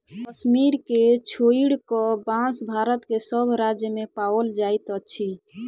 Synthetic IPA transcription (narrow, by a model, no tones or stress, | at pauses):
kəʃmiɾket͡ʃʰoiɽkɔbãsbʱaɾət̪kesəbʱɾad͡ʒjəmepawəld͡ʒait̪ət͡ʃʰi